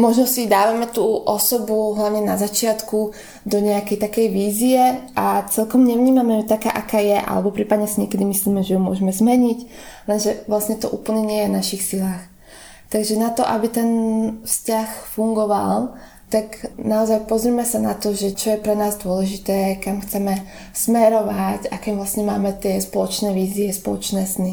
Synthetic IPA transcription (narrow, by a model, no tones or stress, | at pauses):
mɔʒnɔsid̪aːʋamɛt̪uːʔɔsɔbuɦlaʋɲɛnazat͡ʃɪat̪ku | d̪ɔɲɛakɛjt̪akɛjʋiːziɛʔat͡sɛlkɔmɲɛʋɲiːmamɛt̪aka̰ːʔakaːjɛʔa̰lɛbɔpɾiːpad̪ɲɛsiɲɪɛkɛd̪imisliːmɛʒɛjumʊɔ̰ʒɛmɛzmɛɲic | lɛnʒɛʋlasɲɛt̪ɔʔuːpl̩ɲɛɲɪɛjɛvnaʃixsilaːx | t̪aɡʒɛnat̪ɔʔabit̪ɛnfscaxfuŋɡɔʋa̰l | t̪aɡnaɔzajpɔzɾimɛsanat̪ɔʒɛt͡ʃɔjɛpɾɛnaːzd̪ʊɔlɛʒit̪ɛːkamxt͡sɛmɛ | smɛɾɔʋacakɛːʋlasɲɛmaːmɛt̪ɪɛspɔlɔt͡ʃnɛːʋiːziɛspɔlɔ̰t͡ʃnɛːsni